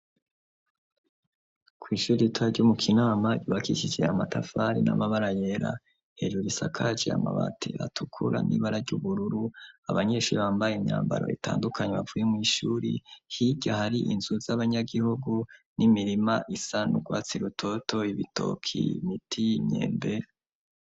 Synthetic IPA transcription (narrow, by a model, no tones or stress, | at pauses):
kwiːʃuːɾiitʰaaɾɟumukʰinaːmaɟuβakiʃid͡ʒe̞amatafaɾina̰maβaɾaje̞ɾa | he̞ʒuɾisakʰad͡ʒea̰ma̰βatʰḛβa̰tʰukʰuɾa̰nʔḭːβaɾaɾɟuβuɾuɾuaβaɲe̞ʃuːɾiβaːmbajeiɲa̰ːmba̰ɾo̰itʰa̰ːndukʰaɲeβavujemŋiːʃuːɾihiɟahaɾiʔinzuzaβaɲaɡihuɡunimiɾimaʔisanuɡwaːt͡siɾutʰo̞tʰo̞iβitʰo̞̰kʰḭmitʰimɲe̞̰ːmbe̞ɾa